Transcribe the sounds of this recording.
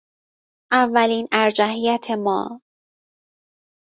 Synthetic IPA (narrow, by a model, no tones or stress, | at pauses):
ʔævːæliːnæɾd͡ʒæɦijæt̪ʰemɒ̰ː